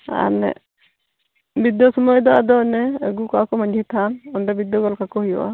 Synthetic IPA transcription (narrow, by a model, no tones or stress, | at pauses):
a̰nɛ̰ | bid̪jɔsɔmɔjɔd̪ɔad̪ɔnɛɛɡukɔakɔmaɲd͡ʒʱit̪ʰanɔnɖɔbid̪ːɔɡɔlkakɔɦijɔ̰ʔa̰